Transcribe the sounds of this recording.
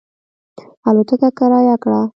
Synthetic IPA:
alot̪əkakaɾɑjakɽa

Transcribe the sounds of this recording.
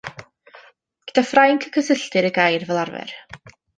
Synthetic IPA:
ɡ̥əd̥afrajŋkʰə̥kʰəsəɬtɨɾəɡajrvɛlˠarvɛ̰r

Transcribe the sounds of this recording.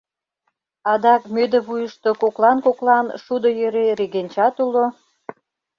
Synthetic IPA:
ɑd̪ɑkmød̪ə̆βujəʃt̪okoklɑnkoklɑnʃud̪ojøɾeɾeɣenʲt͡ɕɑt̪ulo

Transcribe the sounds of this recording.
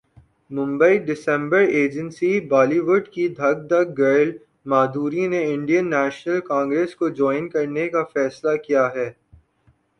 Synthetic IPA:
mʊ̃mbəiɖɪsɛ̃mbəɾeːd͡ʒə̃nsibaːliʋʊɖkid̪ʱɐɡ̚d̪ɐɡɡɐɾl | maːd̪ʱuːɾineɪ̃ɳɖijənːɛːʃnəlkãːŋɡɾeːskod͡ʒɔːɪnkɐɾnekafɛːslakijaɦɛː

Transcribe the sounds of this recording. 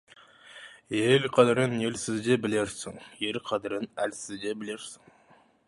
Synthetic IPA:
elʲqʰɑd̪ɪɾɪne̞lsɪzd̪ebɪle̞ɾsɪŋje̞lqʰɑd̪ɪɾɪnælsɪzd̪e̞bɪle̞ɾsɪ̥ŋ

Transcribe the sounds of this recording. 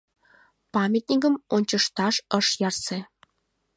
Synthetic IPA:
pɑmʲet̪ʲnʲikə̆monʲt͡ɕɤ̆ʂt̪ɑʂɤ̆ʂjɑrse

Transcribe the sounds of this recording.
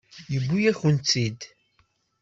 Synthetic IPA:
jəbʷːujæçunt͡sːid̪

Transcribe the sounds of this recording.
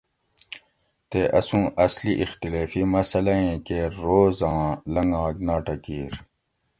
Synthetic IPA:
t̪eʔɐsũːʔɐsliʔixt̪ilaːfimɐsɐlɐẽːkeɾoːzɑ̃ːlɐŋɡãːɡnãːʈɐkiːɾ

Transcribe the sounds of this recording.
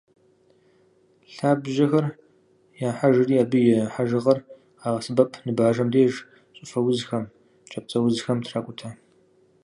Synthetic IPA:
ɬaːbʒɐxɐr | jaːħaʒɨriːaːbɨjɛħaʒɨʁɐr | aːʁɐsɨbɐpʰnɨbaːʒɐmdeːʒ | ɕʼʊfɐwʊzxɐm | t͡ʃʰʼɐp̚t͡sʼɐwʊzxɐmtʰraːkʷʼʊtʰa

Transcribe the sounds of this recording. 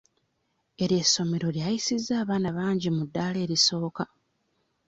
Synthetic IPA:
e̞ɾje̞sːo̞me̞ɾo̞ljajisizːaːβaːnaβaːɲɟimudːaːle̞ːɾiso̞ːka

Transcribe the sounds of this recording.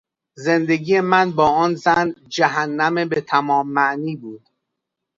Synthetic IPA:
ze̞nd̪e̞ɡiːje̞mænbɒːɒːnzænd͡ʒæɦænːæmebet̪ʰæmɒːmːæʔniːbuːd̪̥

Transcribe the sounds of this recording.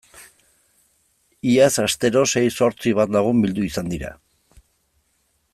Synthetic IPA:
iasast̪e̞ɾo̞se̞jso̞ɾt͡siβ̞at̪laɣ̞umbild̪uisand̪iɾa̰

